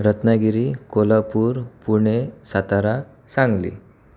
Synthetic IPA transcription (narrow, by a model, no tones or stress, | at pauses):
ɾət̪naɡiɾikolapuːɾpuɳ̃esat̪aɾa | sãŋɡlḭ